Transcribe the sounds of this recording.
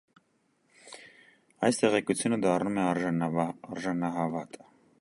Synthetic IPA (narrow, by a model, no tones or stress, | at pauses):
ɑjst̪ɛʁɛkut͡sʰjunəd̪ɑrnumɛɑɾː | ɾʒɑnɑɦɑvɑt̪ə